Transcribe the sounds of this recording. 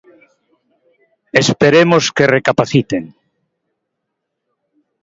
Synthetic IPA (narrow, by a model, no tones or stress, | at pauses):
espeɾemoskerekapaθit̪eŋ